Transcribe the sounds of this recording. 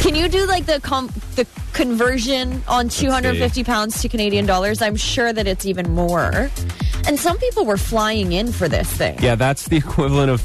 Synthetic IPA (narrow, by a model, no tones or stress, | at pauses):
kʰɨ̃njɨdɨlaɪk̚ðɨkʰ | ðɨ | kʰɨ̃ɱvɜ˞ʒɨ̃nʔə̃ntʰʉhʌ̃ndɹədfɪftipʰãʊ̃ndz̥tʰɨkʰɨneɪɾiɨ̃ndɔlˠə˞zãɪ̃mʃʊɹðɨɾɨtsivɨ̃nmɔɹ | ʔɨ̃nsʌ̃mpipl̩ˠwə˞flaɪɪ̃ŋɪ̃nfə˞ðɪ̰sθɪ̰̃ŋjæðætsðiɨkʰw̥ɪvl̩ˠə̃ɾ̃ʌv̥